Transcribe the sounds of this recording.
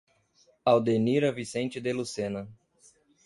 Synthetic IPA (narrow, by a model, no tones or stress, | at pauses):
awd̪eniɾɐvisẽnt͡ʃɪd̪elusẽnɐ